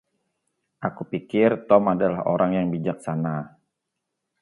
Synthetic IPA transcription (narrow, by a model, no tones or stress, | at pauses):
ʔakupikɪrt̪ɔmadalaho̰ɾaŋjaŋbid͡ʒak̚sana